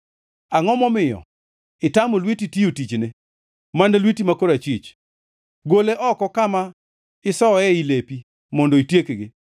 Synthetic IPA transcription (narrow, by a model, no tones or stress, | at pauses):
aŋɔmɔmɪjɔ̰ | ɪtamolwititiotit͡ʃnɪ | manelwitimakoɾat͡ʃit͡ʃ | ɡoleʔɔkɔkama | ɪsɔɛilepi | mɔndoitjekeɡɪ